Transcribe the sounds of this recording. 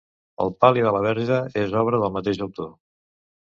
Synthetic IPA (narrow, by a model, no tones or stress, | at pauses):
ə̰lˠpaliðələβ̞ɛɾʒəezɔβ̞ɾəðəlˠmət̪eʒəwt̪o